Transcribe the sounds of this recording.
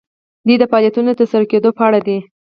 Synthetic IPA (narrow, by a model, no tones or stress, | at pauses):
d̪id̪əfɑljat̪unoət̪əsaɾaked̪opəaɽad̪i